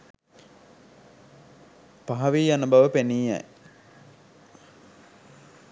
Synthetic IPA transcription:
paɦɐʋiːjanəbɐʋəpeniːa̰j

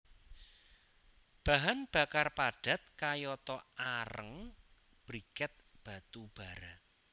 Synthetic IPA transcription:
b̥a̤ɦanb̥a̤karpaɖ̥a̤t̪̚kajɔt̪ɔaɾə̰ŋ | b̥ɾikɛt̪̚b̥a̤t̪ub̥a̤ɾa

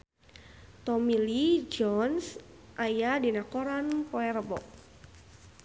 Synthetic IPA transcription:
t̪ɔmilid͡ʒɔnsʔajadinakɔɾanpɔɛɾəbɔ̰k̚

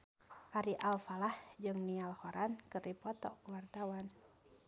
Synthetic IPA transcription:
ʔaɾiʔalfalahd͡ʒɨŋnialhoɾʔankɨrdipɔt̪ɔkuwart̪awan

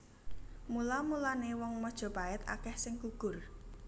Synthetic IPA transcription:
mulamulanewɔŋmɔd̥ʒ̥ɔ̤paɪt̪a̰kɛhsɪŋkuɡ̥ʊ̤r

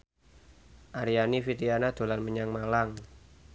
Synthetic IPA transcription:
ʔaɾianifit̪ianad̪̥o̤lanməɲaŋmalaŋ

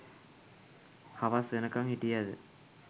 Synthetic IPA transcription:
haʋasenɐkːamhiʈijaðɨ̰

